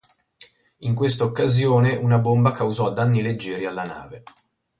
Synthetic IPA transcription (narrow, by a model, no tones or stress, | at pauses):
iŋkwest̪aokːazjoːneʔunabombakawzɔd̪anːiled͡ʒːɛːɾialːana̰ːve